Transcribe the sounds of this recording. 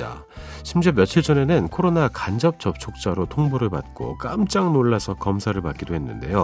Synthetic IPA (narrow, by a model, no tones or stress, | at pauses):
a̰ | ɕʰimd͡ʑemjʌt͡ɕʰiɭt͡ɕʌne̞nɯnkʰoɾonakand͡ʑʌp̚t͡ɕ͈ʌp̚t͡ɕʰok̚t͡ɕ͈aɾotʰoŋbuɾɯɭpa̰t̚k͈o̰k͈amt͡ɕ͈aŋnoɭːasʰʌkʌmsʰaɾɯɭpat̚k͈idoɦe̞nːɯnde̞̰jo